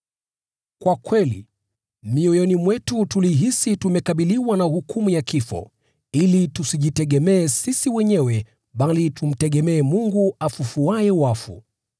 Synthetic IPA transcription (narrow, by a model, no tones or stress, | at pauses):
kwakwɛlḭ | miɔjɔnimwɛtutuliɦisitumɛkaɓiliwanauhukumujakifɔ̰ | ilitusiʄitɛɠɛmɛːsisiwɛɲɛwɛ | ɓalitʰum̩tɛɠɛmɛːmuŋɡuafufuajɛwafṵ